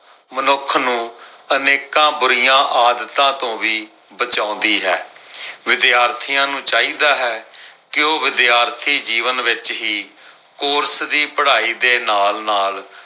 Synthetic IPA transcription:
mənʊkʰnũːəneːkãːbʊɾɪjãːʔaːd̪ət̪ãːt̪õːʋiː | bət͡ʃãːʊ̃nd̪iːɦɛːʋɪd̪jaːɾt̪ʰɪjãːnũːt͡ʃaːiːd̪aːɦɛːkɪoːʋɪd̪jaːɾt̪ʰiːd͡ʒiːʋənʋɪt͡ʃɦiː | kʊːɾsd̪iːpəɽaːiːd̪eːnaːlnaːl

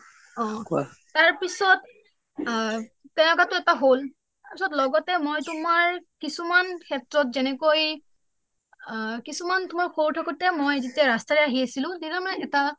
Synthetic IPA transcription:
ɔ̃ | taɹpisɔt̚ | ɛʊ̃ɔkatʊɛtaɦol | taɹpisɔtlɔɡɔtɛmojtʊmaɹkisumankʰɛtɹɔtzɛnɛkoj | kisumantʊmaɹxoɹtʰɔkutɛmojzitɛɹastaɹɛaɦiasilʊ̃dinamaɛta

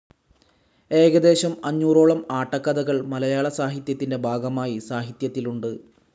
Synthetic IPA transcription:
e̞ːɣɐd̪e̞ːɕɐmɐɲːuːro̞ːɭɐmaːʈːɐkːɐd̪ɐɣɐɭmɐlɐjaːɭɐsaːɦit̪jɐt̪ːinde̞bʱaːɡɐmaːjisaːɦit̪jɐt̪ːiluɳɖɨ

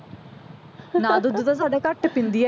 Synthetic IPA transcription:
nãːd̪ʊd̪ut̪as̬aːɖeːkəʈpɪ̃nd̪iɛ

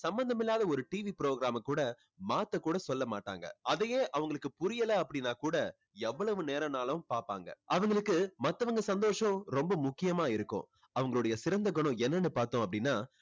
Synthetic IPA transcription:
sɐmbɐnd̪ɐmɪlːaːðɐɔɾɯʈiːʋipɾoːɡɾaːmɐkːuːɽɐ | maːt̪ːɐkːuːɽɐsɔlːɐmaːʈːa̰ːŋɡɐ̰ɐðɐjeːʔɐʋɐŋɡɐɭɯkːɯpʊɾɪjɐlɐɐpːɐɽɪnaːkuːɽɐ | ɛʋːɐɭɐʋɯ̃neːɾɐnaːlɐpaːɾpa̰ːŋɡɐ̰ɐʋɐŋɡɐɭɯkːɯmɐt̪ːɐʋɐŋɡɐsɐnd̪oːʂɐ̃ɾɔmbɐmʊkːɪjɐmaːɪɾɯkːʊ̰̃ː | ɐʋɐŋɡɐɭɯɽɐjɐsɪɾɐnd̪ɐkːɔɳõːɛnːɐnːɯpaːɾt̪õːɐpːɐɽɪnːaː

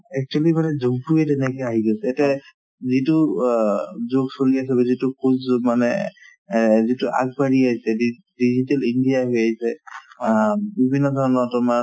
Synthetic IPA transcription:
ɛk̚t͡ʃualimanɛzoɡpuɹɛtɛnɛkɔjaɦiɡɔsɛtɛ | zitu | zoɡsoliasɛbɛzitukʰumanɛ | zitʊʔa̰ɡ̚baɹiaɦisɛ | dizitɛlindijaɦojaɦisɛ | bibʱinːɔdʱɔɹnɔtʊma

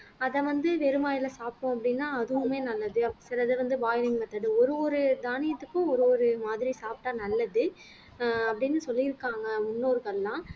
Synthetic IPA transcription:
ɐðɛʋɐnd̪ɯʋɛɾɯmaːjɪlɐsaːpːõɐpːɐɽɪnːaːɐðɯʋɯmeːnɐlːɐðɯɐsɪɾɐðɯʋɐnd̪ɯbaːjɪlɪŋɡmɐt̪ːɐɽɯɔɾɯʋɔɾɯd̪aːnɪjɐt̪ːɯkːʊ̃ɔɾɯʋɔɾɯmaːðɪɾisaːp̚ʈaːnɐlːɐðɯ | ɐpːɐɽɪnːɯsɔlːɪɪɾɯkːaːŋɡɐʊnːoːɾɯɣɐɭːãː

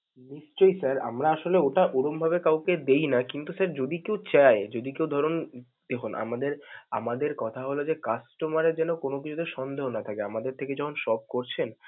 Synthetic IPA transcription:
niʃt͡ɕojsaɾa̰mɾaaʃoleoʈaʔoɽombʱabekawked̪ejnakint̪usaɾd͡ʑod̪ikewt͡ɕaed͡ʑod̪ikewd̪ʱɔɾon | d̪̥ekʰunʔa̰mad̪eɾa̰mad̪eɾkɔt̪ʰaɦolod͡ʑekasʈomaɾeɾd͡ʑɛnokonok̬it͡ɕʰud̪eɾʃɔnd̪ʱeɦonat̪ʰakeamad̪eɾt̪ʰeked͡ʑɔkʰonʃɔb̚koɾt͡ɕʰen

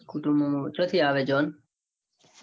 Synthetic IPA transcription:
kuʈumũt͡ʃʰoːt̪ʰiːaːʋeːd͡ʒoːn

